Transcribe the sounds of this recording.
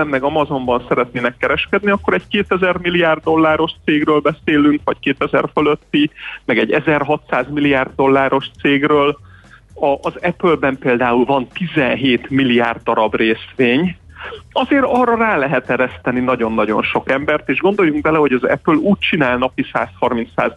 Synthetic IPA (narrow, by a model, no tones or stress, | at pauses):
ɛmnɛɡɒmɒzo̞mbɒnsɛɾɛt̪̚neːnɛkːɛɾɛʃkɛd̪niɒkːo̞ɾɛckeːt̪ɛzɛrmilːijaːrd̪ːo̞lːaːɾo̞ʃt̪seːɡrøːlbɛseːlyŋkʋvɒckeːt̪ɛzɛ̰rføløt̪ːimɛɡɛɟːɛzɛrɦɒt̪saːzmilːiaːrd̪ːo̞lːaːɾo̞ʃt̪seːɡrøːl | ɒʔːzɛpølbɛmpeːld̪aːulvɒnt̪izɛnɦeːt̪milːiaːrd̪ːɒɾɒbreːsʋeːɲ | ɒzeːɾɒrːɒraːlɛɦɛt̪ɛɾɛst̪ɛninɒɟo̞nːɒɟo̞̰nʃo̞kɛmbɛrt̪eːʒɡo̞n̪d̪o̞jːuŋɡ̚bɛlɛɦo̞ɟɒzɛ̰pøluːc̚t͡ʃinaːlnɒpisaːshɒrmint̪sa̰ːz